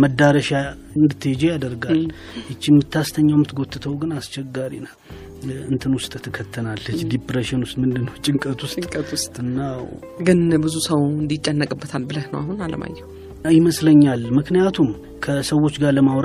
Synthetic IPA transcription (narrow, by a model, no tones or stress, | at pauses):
məd̪aɾəʃa | ɨnd̪ɨt̪ʰːəjɛd͡ʒejad̪əɾɡal | jɪt͡ʃːɪmːɨt̪ʰːast̪ʰəɲːawmːɨt̪ɡot̪ʰʼːɨt̪ʰəwɡɨnast͡ʃɛɡːaɾḭna | ɨnt̪ʰɨnwʊst̪ʼt̪ʰːɨkʰːət̪ʰːənalɨd͡ʒd̪ipɾeʃənwʊst̪ʼmɨnd̪ɨnːəwt͡ʃʼɪŋkʼət̪ʰwʊst̪k̪ʼst̪ʼɨnːaw | ɡɨnbɨzusəwɨnd̪it͡ʃʼːɛnːəkʼɨbːət̪ʰalbɨləhnə̰wa̰ɦunalə̰ma̰jːɛw | jɪməsləɲːalmɨknijat̪ʰum | kʰəsəwo̞t͡ʃːɡaləmawɾ